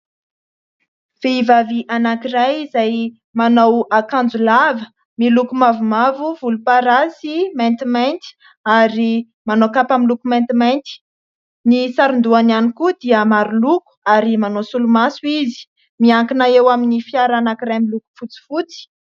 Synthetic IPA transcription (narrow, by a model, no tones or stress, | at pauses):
v̥eivaviʔanakirajizaj | manawakand͡zulavə | milukumavumavuvulupaɾasimajnt̪imajnt̪i̥ | aɾi | manokapamilukumant̪imajnt̪i̥ | nisaɾund̪uananikud̪iəmaɾuluku̥aɾimanosulumasuizi̥ | miaŋkinaewaminifiaɾanakiɾajmiluku̥fut͡si̥fut͡si̥